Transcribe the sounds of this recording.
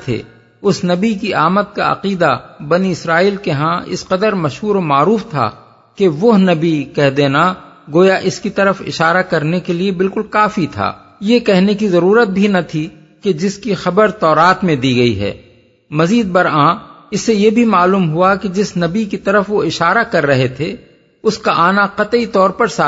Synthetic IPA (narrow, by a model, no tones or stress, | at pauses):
t̪ʰḛː | ʊsnɐbikiʔaːmət̪̚ka̰ɐ̰qiːd̪abɐniɪsɾaːiːlkeɦãɪ̰sqɐd̪əɾmɐʃɦuːɾomaːɾuːft̪ʰa̰ | keʋʊɦnɐbikɛɦd̪eːna | ɡoːjaʔɪskit̪ɐɾəfɪ̰ʃaːɾakɐɾnekeliebɪlkʊlkaːfit̪ʰa̰ː | jekɛɦnekizɐɾuːɾət̪̚bʱinɐt̪ʰi | ked͡ʒɪskixɐbəɾt̪ɔːɾaːt̪mẽd̪iɡɐḭɦɛ̰ː | mɐziːd̪̚bɐɾãɪsːejebʱimaːluːmɦʊaked͡ʒɪsnɐbikit̪ɐɾəfʋoɪʃaːɾakɐɾːɐɦet̪ʰe | ʊskaʔaːnaqɐt̪it̪ɔːɾpɐɾsa